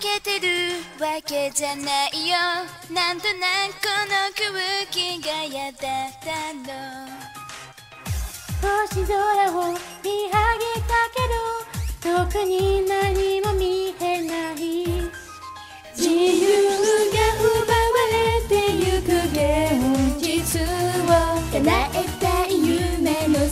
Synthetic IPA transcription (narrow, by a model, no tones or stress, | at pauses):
ket̪eɾɯwaked͡ʑanaijo | nãnt̪onakonokɯβɯkiɡajat̪at̪ano | t̪oɕid̪oɾaomʲiɦaɡekake̞d̪ot̪okɯɲ̟inaɲimomʲihenai | d͡ʑijɯɡahobawaɾet̪ejɯkɯd̪eod͡ʑisɨwajanaʔet̪ːaijɯmeno